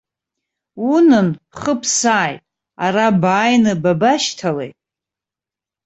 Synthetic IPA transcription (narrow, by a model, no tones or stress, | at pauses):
unɨn | χəpʰsaːjtʼ | a̰ɾabaːjnɨbabaʃtʰalḛjtʼ